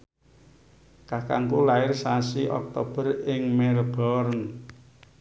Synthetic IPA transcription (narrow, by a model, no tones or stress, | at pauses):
kakaŋkulaɪrsasiʔɔ̰k̚t̪ob̥ərɪŋmɛɾb̥ɔrn